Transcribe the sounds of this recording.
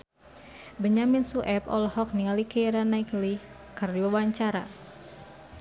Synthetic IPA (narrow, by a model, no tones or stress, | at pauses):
bəɲaminsuʔɛpɔ̰lhɔk̚niŋalikeɾanaikli | kərdiwawaɲt͡ʃaɾa̰